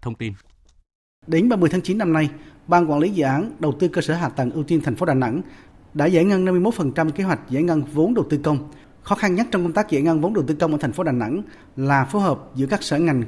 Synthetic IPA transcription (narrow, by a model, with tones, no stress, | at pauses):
t̪ʰə˧wŋ͡mt̪i˧n | ɗe˨˦nɓaː˧mɨ˨˩ət̪ʰa˨˦ŋt͡ɕi˨˦nːa˧mna˧jɓaː˧nkwaː˧˥nli˨˦zɨ̰˧˨ʔaː˨˦nɗə˨˩wt̪ɨ˧kəː˧səː˧˩ɦaː˨˩t̪ə˨˩ŋʔɨ˧wt̪i˧nt̪ʰɛ˨˩ŋ̟fo˨˦˥ɗaː˨˩na̰˧˥ŋ | ɗa̰ː˧˥za̰˧˥˩jŋə˧na˧mɨ˧jmo˦˥t̚fə˨˩nt͡ɕa˧mke˨˦ɦwa˨˩jk̟̚za̰˧˥jŋə˧nvo˨˦nɗə˨˩wt̪ɨ˧kə˧wŋ͡m | xɔ˨˦xa˧nɲa˦˥k̚t͡ɕɔ˧wŋ͡mkə˧ŋ͡mt̪a˦˥k̚zḛ˧˩ŋə˧nvo˨˦nɗə˨˩wt̪ɨ˧kə˧wŋ͡mʔəː˧˩t̪ʰŋ̟fo˨˦ɗaː˨˩na̰˧˥ŋ | laː˨˩fo˨˦jhɦəː˨˩p̚zɨ̰˧˥əkaː˦˥k̚səː˧˩ŋa˨˩jŋ̟